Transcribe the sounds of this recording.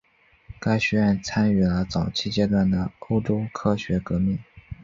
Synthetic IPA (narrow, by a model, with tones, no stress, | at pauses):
ka˥ɪɕɥɛ˧˥ɻə˥˧nt͡sʰa˥ny˨˩lə˦t͡sɑ˨˩ʊt͡ɕʰi˥t͡ɕjɛ˥t̪wa˥˩nd̪ə˩o˥ʊʈ͡ʂo˥ʊkʰɤ˥ɕɥɛ˧˥kɤ˧˥mi˥˩ŋ